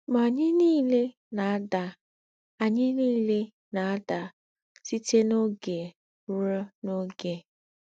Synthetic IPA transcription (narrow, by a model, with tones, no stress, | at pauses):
ma˨ɲɪ˦niː˦le˦ | na˨a˦da˨ | a˨ɲɪ˦niː˦le˦ | na˨a˦da˨ | si˦te˦no˦ɡe˨ | u˦ɾo˦no˦ɡe˨